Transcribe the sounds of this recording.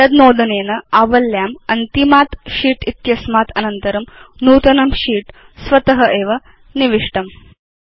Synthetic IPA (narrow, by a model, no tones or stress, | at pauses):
ɐd̪noːd̪ɐneːnɐaːʋɐljaːmɐnt̪imaːt̪ʃiːʈit̪jɐsmaːt̪ʰɐnɐnt̪ɐɾɐmnuːt̪ɐnɐmʃiːʈ | sʋɐt̪ɐɦɐʔeːʋɐ | niʋiʂʈɐm